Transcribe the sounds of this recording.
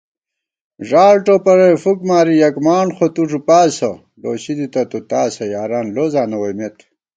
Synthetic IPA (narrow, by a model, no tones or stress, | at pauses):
ʐaːlʈopɐɾɐjfukmaːɾijɐkmaːnxot̪uʐupaːsɐ | loːɕid̪it̪ɐt̪ut̪aːsɐjaːɾaːnloːzaːnɐwɐjmet̪